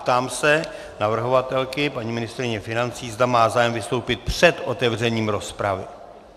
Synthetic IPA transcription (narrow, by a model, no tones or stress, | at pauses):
t̪aːmsɛ | navr̩ɦo̞vat̪ɛlkɪpaɲiːmɪnɪst̪ɾɪɲɛfɪnant͡siːzd̪amaːzaːjɛmvɪst̪o̞wpɪt̪̚pr̥ɛd̪ʔo̞t̪ɛvrɛɲiːmɾo̞spɾavɪ̰